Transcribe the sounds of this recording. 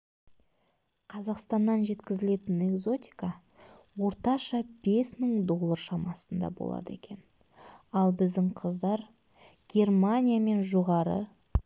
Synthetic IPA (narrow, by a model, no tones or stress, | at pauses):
qʰɑzɑqst̪ɑnːɑnʒe̞t̪kʲɪzɪle̞t̪ɪne̞kzo̞t̪ʲi̥jkɑ | wo̞ɾt̪ɑʃɑb̥e̞sməŋd̪o̞lˠːəɾʃɑmɑsənd̪ɑ̰bo̰lˠɑ̰d̪əekʲʰe̞n | ɑlˠbɪzd̪ɪŋqʰəzd̪ɑɾ | ɡ̥ʲe̞rmanʲijame̞nʒoʁɑɾə̰